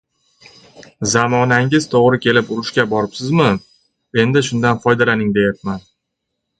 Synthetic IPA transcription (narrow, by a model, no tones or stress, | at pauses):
zamɒnaŋɪz̥t̪ʰoʁɾɪkʲʰe̞lɪpʊɾɪʃkʲabɒɾɪpsɪzmɪ | e̞nd̪ɪʃʊnd̪anfɒjd̪alanɪŋd̪e̞jat̪̚man